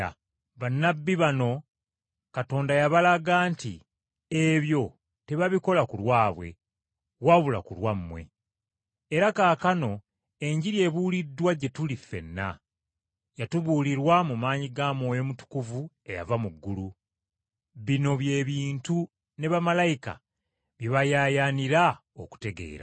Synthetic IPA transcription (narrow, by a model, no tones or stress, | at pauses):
βanːabːiβano̞ | kato̞ːndajaβalaɡaːntḭ | eβjo̞ | te̞βaβiko̞lakulwaːβwe̞̰ | waβula̰kulwamːwe̞̰ː | ɾakaːkano̞ | e̞ɲɟiɾje̞ːβuːlidːwaɟe̞tulifːe̞̰nːa̰ | jatuβuːliɾwamumaːɲiɡaːmo̞ːjo̞mutu̥kuvu | e̞ja̰vamuɡːulu | βino̞βje̞ːβiːntu | ne̞βamalajika̰ | βjiβajaːjaːniɾaoku̥te̞ɡe̞̰ːɾa̰